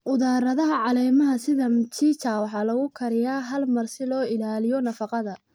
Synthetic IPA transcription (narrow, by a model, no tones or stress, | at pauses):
ʔʊðaːɾɐðɐɦɐʕɑlɛːmɐɦɐsɪðɐmt͡ʃʰiːt͡ʃʰaːwɑħɑːlɐɣʊkʰɐɾɪjaːɦɐlmɐrsɪlɔːɪlaːlɪjɔnɐfɑqɑðɐ